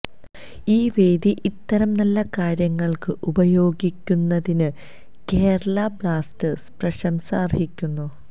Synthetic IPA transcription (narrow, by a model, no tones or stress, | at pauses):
iːʋeːd̪iʔit̪ːɐɾɐmnɐlːɐkaːɾjɐŋːɐɭkɨʔubɐjo̞ːɡikʲːunːɐðinɨ | ke̞ːɾɐɭɐbɭaːstɐsprɐɕɐmsaːrhikʲːunːu